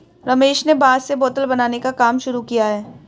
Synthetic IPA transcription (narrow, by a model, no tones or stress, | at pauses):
ɾɐmeːʃnebaːzseboːt̪əlbɐnaːnekakaːmʃʊɾukijaɦɛː